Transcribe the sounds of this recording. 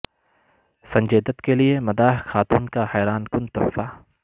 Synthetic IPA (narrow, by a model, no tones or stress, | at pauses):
sɐ̃ɲd͡ʒeːd̪ət̪keliemɐd̪aːɦxaːt̪uːnkahɛːɾaːnkʊnt̪ʊ̰faː